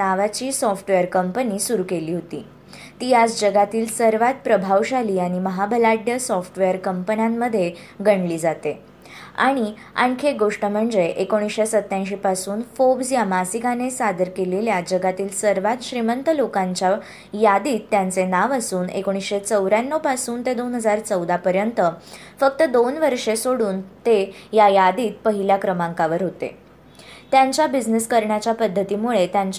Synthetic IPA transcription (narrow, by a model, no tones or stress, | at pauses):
naʋat͡ɕiːsɔfʈʋejəɾkəmpəniːsuɾuːkeliːɦot̪ḭː | t̪iːad͡zd͡ʑəɡat̪iːlsəɾʋat̪̚pɾəbʱaʋɕaliːaɽ̃iməɦabʱəlaɖjəsɔfʈʋejəɾkəmpənjamːəd̪ʱːje | ɡʱəɳliːd͡zat̪e | a̰ɽ̃i | a̰ŋkʰeɡoʂʈəm̤əɳd͡zeʔekoɽ̃isɕesət̪ːjãjɕ̬ipasuːnfobsjamasikanesad̪əɾkeleljad͡ʑəɡat̪iːlsəɾʋat̪ɕɾimənt̪əlokãɲt͡ɕa | jad̪iːt̪ːjant͡senaʋasuːnḛkoɽ̃isɕet͡səwɾjãnːopasuːnt̪ed̪onɦəd͡zaɾt͡səwd̪apəɾjənt̪əfək̚t̪əd̪onʋəɾʂesoɽuːnt̪ejajad̪iːt̪̚pəɦiljakɾəmãŋkaʋəɾɦot̪ḛ | t̪jaɲt͡ɕjabid͡ʑniskəɾɳjat͡ɕjapəd̪ʱːət̪iːmuɭet̪jãɲt͡ɕ